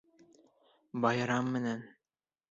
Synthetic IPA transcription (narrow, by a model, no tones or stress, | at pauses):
bɑjɾɑmːɘ̆næn